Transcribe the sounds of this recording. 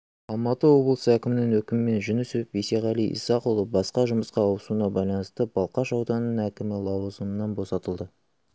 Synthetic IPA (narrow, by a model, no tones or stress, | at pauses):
ɑlˠmɑt̪əwo̞blˠəsəækʲɪmɪnɪŋwɵkʲɪmɪme̞nʒʏnɪsɵpeseʁɑlijʔḭsɑqulˠəbɑsqɑʒʊməsqɑːwəsunɑbɑjlˠɑnəst̪əb̥ɑlˠqɑʃɑwd̪ɑnːəɴækʲɪmɪlˠɑwəzəmənɑnbo̞sɑt̪əlˠd̪ə